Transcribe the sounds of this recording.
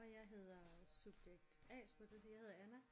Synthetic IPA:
ɒ̽jɑ̈ɪɦe̝ð̞̰ˠɐsub̥jeɡ̥̚d̥ɛ̰ːsb̥ud̥d̥esijaɪhe̝ð̞ˠɐænæ

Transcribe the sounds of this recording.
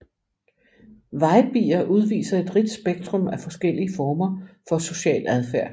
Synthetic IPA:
ʋɑ̈ɪb̥ḭːɐʔuð̞ˠʋḭːsɐe̝d̥ʁid̥sb̥eɡ̥̚d̥ʁɔ̽mæfɒ̽sɡ̥el̰iəfɒːmɐfɒ̽so̝ɕɛ̰ːlæð̞ˠfæɐ̰

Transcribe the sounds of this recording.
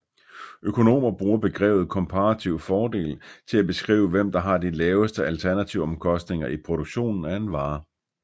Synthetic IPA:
ʔøkʰo̝no̝̰ːmɐb̥ʁuːɐb̥e̝ɡ̥ʁɛ̰ːʊð̞̩ˠkʰɒ̽mpʰɑʁɑt͡sʰiʊ̰fɒːd̥e̝̰ːlt͡sʰe̝læb̥e̝sɡ̥ʁḭːʊəʋem̰d̥ɑ̈ɦɑ̈d̥ilɛːʊəsd̥əælt͡sʰæɐnæt͡sʰiʊɒ̽mkʰɒ̽sd̥ne̝ŋɐipʰʁo̝ɾ̥oɡ̥ɕo̝̰ːnn̩æe̝nʋɑ̈ː

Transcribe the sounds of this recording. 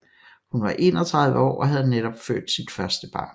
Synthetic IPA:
hunʋɑ̈ʔe̝ːnɒt͡sʰʁað̞ˠʋəɒ̰ːʔɒ̽ɦæð̞ˠneɾɒb̥fø̰ːd̥sid̥fɶɐsd̥əb̥ɑ̈ːn

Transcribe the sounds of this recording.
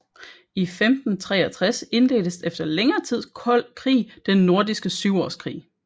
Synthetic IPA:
ifemd̥n̩t͡sʰʁɛːɐt͡sʰʁase̝nle̝̰ːd̥əsefd̥ɐleŋɐːt͡sʰið̞̰ˠkʰɒ̽l̰kʰʁḭːd̥enːo̝ɐd̥isɡ̥əsyʊɒ̰ːskʰʁḭː

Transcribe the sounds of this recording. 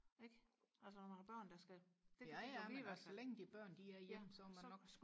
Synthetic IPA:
eɡ̥ælsəɒmææb̥ɶɐ̰nd̥ɑ̈sɡ̥æd̥jææsleŋ̰d̥ib̥ɶɐ̰nd̥iæɐjem̰sɒːmænɒ̽ɡ̥

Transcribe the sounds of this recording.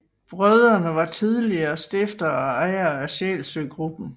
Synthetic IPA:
b̥ʁœð̞ˠɐnəʋɑ̈t͡sʰiðˠliɐsd̥e̝fd̥ɐɑɪɐæɕɛ̰lsøːɡ̥ʁub̥n̩

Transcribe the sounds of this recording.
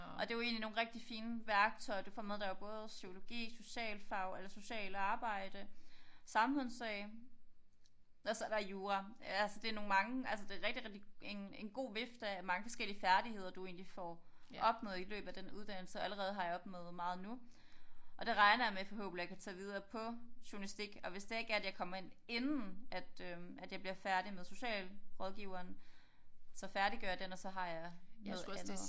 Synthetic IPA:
ɒ̽d̥e̝joe̝̰ːnlino̝ːn̩ʁeɡ̥̚d̥ifiːnəʋæɐɡ̥̚t͡sʰɒ̽ɪɐd̥ufɒ̰ːmeðˠd̥ɑ̈ob̥ɔ̽ːð̞ˠsykʰo̝lo̝ɡ̥ḭːso̝ɕɛ̰ːlfɑ̈ʊelɐso̝ɕɛ̰ːləɑ̈ːb̥ɑ̈ɪ̰d̥əsɑ̈mhɔ̽nsɛːɪ | ɒ̽sɒd̥ɑjuːʁɑælsəd̥e̝ɐno̝ːn̩mɑ̈ŋəælsəd̥e̝ʁɛɡ̥̚d̥iʁeɡ̥d̥ie̝ne̝nɡ̥o̝̰ːʋe̝fd̥æmɑ̈ŋəfɒ̽sɡ̥el̰iəfæɐd̥ihe̝ð̞̰ˠɐd̥ue̝̰ːnlifɒʔɒ̽b̥mɔ̰ːð̩ˠilø̰ːb̥̩ˠæd̥enuðˠd̥æn̰l̩səæləʁɛːð̞̩ˠɦɑ̈jɑ̈ɒ̽b̥mɔːð̩ˠmɑ̈ːð̞̩ˠnu | ʔɒ̽d̥e̝ʁɑ̈ɪnɐjɑ̈mefɒ̽ɦo̰̽ːb̥lijäkʰæt͡sʰɛ̰ːʋið̞ˠɐːpʰɒ̽ɕuɐlisd̥iɡ̥ɒ̽ʋe̝sd̥e̝e̝ɡ̥æɐæd̥jɑ̈ɪkʰɒ̽m̰ɐe̝ne̝nn̩ʔæd̥ømæd̥jɑb̥liɐfæɐɾ̥imeðˠso̝ɕɛ̰ːlʁɔ̽ð̞ˠɡ̥iʊɐːn | sɒ̽fæɐɾiɡ̥œɐjɑ̈d̥enɒ̽sɒ̽ɦɑ̈jɑ̈ɪneð̩ˠn

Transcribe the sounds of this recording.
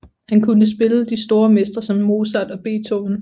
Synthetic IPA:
hænkʰunəs̬b̥e̝ləd̥isd̥o̝ːɐmesd̥ɐsɒ̽mːo̝ːsæd̥ɒ̽b̥e̝̰ːt͡sʰon

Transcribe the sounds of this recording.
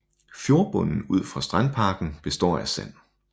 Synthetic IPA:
fjo̝ːɐb̥ɔ̽n̰n̩uð̰ˠfʁɑ̈sd̥ʁanpʰɑ̈ːɡ̥n̩b̥e̝sd̥ɒ̰ːæsæ̰n̰

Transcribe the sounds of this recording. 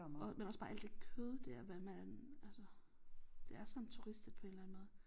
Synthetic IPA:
ɒ̽menɒ̽sb̥ɑ̈ʔæl̰d̥e̝kʰøðˠəd̥eɐ̰ʋæmæ̥nælsə | d̥e̝æɐsɒ̽nt͡sʰuʁisd̥əd̥̚pʰe̝nlænmɔ̽ːð̩ˠ

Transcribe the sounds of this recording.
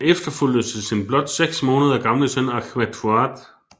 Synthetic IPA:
efd̥ɐfyl̰dð̩ˠsesinb̥lɒ̽d̥seɡ̥smɔ̽ːnəð̞ˠɐɡ̥ɑ̈mləsœnɑkʰʋæt͡sʰuɑːd̥

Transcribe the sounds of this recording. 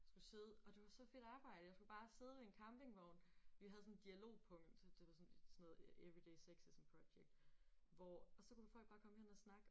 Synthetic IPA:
jsɡ̥use̝ːð̞ˠəɒ̽d̥e̝ʋɑ̈sɒ̽fe̝ɾ̥ɑ̈ːb̥ɑ̈ɪ̰d̥əjɑ̈ɪsɡ̥ub̥ɑ̈ːse̝ːð̞ˠəʋeenkʰɑ̈mb̥e̝ŋʋɒʊnʋiɦæðˠsn̩d̥iælo̝̰ːpʰɔ̽ŋ̰d̥d̥e̝ʋɑ̈sɔ̽ne̥sɔnɔːð̩ˠeʋʁid̥eɪseɡ̥sisɒmpʰʁo̥ɕeɡ̥̚d̥ʋɒɒ̽sɒ̽ku̥fɒl̰ɡ̥̚b̥ɑ̈ːkʰɒ̽meheænɐsnɑ̈ɡ̥

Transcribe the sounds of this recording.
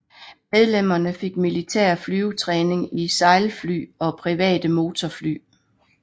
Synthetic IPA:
með̞ˠlem̰ɐnəfe̝ɡ̥̚milit͡sʰḛɐ̰flyːut͡sʰʁɛːne̝ŋisɑ̈ɪlfly̰ːɒ̽pʰʁiʋɛ̰ːd̥əmo̝ːt͡sʰɒfly̰ː

